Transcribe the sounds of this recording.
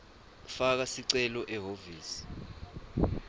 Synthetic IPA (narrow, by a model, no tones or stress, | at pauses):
fak̬asiǀɛlɔʔɛɦoviːsi̥